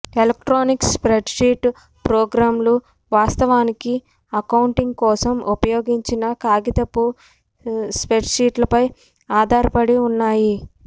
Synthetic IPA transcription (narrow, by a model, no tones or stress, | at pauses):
elɐk̚ʈɾoːnikspɾeɖʂiːʈ | pɾɔːɡɾaːmlu | ʋaːst̪ɐʋaːniki | ɐkɐwuɳʈiŋɡkɔːsɐmʔupɐjoːɡiɲt͡ʃinɐkaːɡit̪ɐpːu | spɾeɖʂiːʈlɐpɐj | aːd̪ʱaːɾɐpɐɽiunːaːji